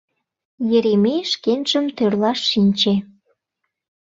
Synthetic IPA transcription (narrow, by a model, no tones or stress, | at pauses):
jeɾemeʃkenʒəmt̪ørlɑʃːinʲt͡ɕe